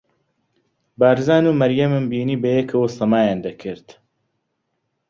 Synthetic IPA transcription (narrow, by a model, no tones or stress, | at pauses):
baːɾzaːnumɐɾjɐmɨmbiːniːbɐjɛkʰɐwosɐmaːjaːnd̪ɐkʰɨɾt̪